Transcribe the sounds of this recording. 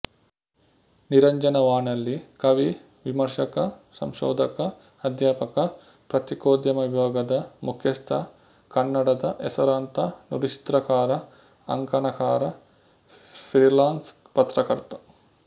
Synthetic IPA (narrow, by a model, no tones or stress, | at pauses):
niɾɐɲd͡ʒɐnɐʋaːɳɐlːikɐʋi | ʋimɐɾʂɐkɐsɐ̰mʃɔ̰ːd̪ʱɐkɐː | d̪ʱjaːpɐkɐ | pɾɐt̪ikoːd̪jɐmɐbjaːɡɐd̪ɐmukʰjɐst̪ʰɐ | kɐnːɐɽɐd̪ɐʔɛsɐɾaːnt̪ɐnuɾit͡ʃi̥t̪ɾɐkaːɾɐ | ɐ̰ŋkɐnɐkaːɾɐ | pɾiːlaːns | pɐt̪ɾɐkɐɾt̪ɐ̥